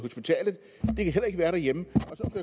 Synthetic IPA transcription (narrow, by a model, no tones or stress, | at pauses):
ho̝sb̥it͡sʰɛ̰ːlð̩ˠ | d̥e̝kʰæɦel̰ɐe̝ɡ̥ʋæːɐɾæɐjeməɒ̽sɒ̥̽æ